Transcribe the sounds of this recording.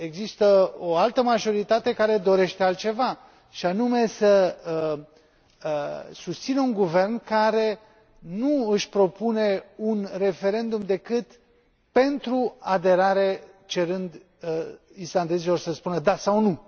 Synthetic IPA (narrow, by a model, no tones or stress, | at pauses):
e̞ɡzist̪əo̞alt̪əmaʒo̞ɾit̪at̪e̞kaɾe̞d̪o̞ɾe̞ʃt̪e̞alt̪̚t͡ʃe̞va | ʃianume̞səə | sust̪sinəuŋɡuve̞rnkaɾe̞ | nuɨʃʲpɾo̞pune̞unre̞fe̞ɾe̞nd̪umd̪e̞kɨt̪ | pe̞nt̪ɾuad̪e̞ɾaɾe | t͡ʃe̞ɾɨnd̪ | island̪e̞zilo̞rsəspunəd̪asawnu